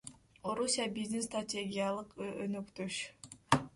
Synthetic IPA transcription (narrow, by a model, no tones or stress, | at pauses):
oɾusʲijabizd̪inst̪ratʲe̞ɡʲijalˠɯqønykt̪øʃ